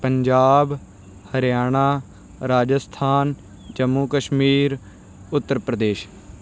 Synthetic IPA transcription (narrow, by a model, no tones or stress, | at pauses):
pəɲd͡ʒaːb | həɾjaːɳ̃aː | ɾaːd͡ʒəst̪ʰaːn | d͡ʒəmːuːkəʃmiːɾ | ʊt̪ːəɾpɾəd̪eːʃ